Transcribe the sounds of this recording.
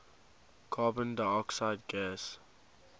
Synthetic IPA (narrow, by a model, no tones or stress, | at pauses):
kʰaːbə̃ndəɔksaɪd̚ɡɛs